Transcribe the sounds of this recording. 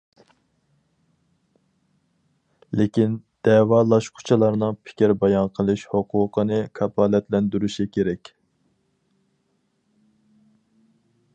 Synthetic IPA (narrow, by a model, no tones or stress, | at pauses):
lɪkʲind̪̥ɛwɑlˠɑʃqʰʊ̥t͡ʃʰɑlˠɑɾnɨŋpʰɪ̥kʲiɾbɑjɑnqʰəlˠɨʃhoqʰʊːqʰənɨkʰɑpʰɑːlɛt̪lɛnd̪yɾyʃikʲʰeɾɛkʲ